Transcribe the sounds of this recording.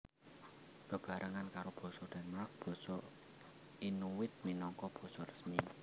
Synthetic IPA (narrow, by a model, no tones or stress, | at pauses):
b̥ə̤b̥a̤ɾʔəŋankaɾob̥ɔ̤sɔd̪̥a̤nmɾak̚b̥ɔ̤sɔ | inuwɪt̪̚minɔŋkɔb̥ɔ̤sɔrəsmi